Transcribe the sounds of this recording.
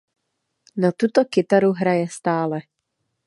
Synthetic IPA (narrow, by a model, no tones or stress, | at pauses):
nat̪ut̪ɔkɪt̪aɾuɦɾajɛst̪aːlɛ